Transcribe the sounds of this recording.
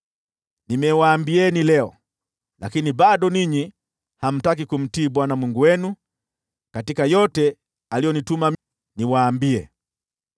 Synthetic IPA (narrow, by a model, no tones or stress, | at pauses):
nimɛwaːmbiɛnilɛɔ | lakiniɓaɗɔniɲi | ham̩tak̬ikum̩tiːɓwanamwiŋɡuwɛnu | katikajɔtɛ | alijɔnitumam | niwaːmbiɛ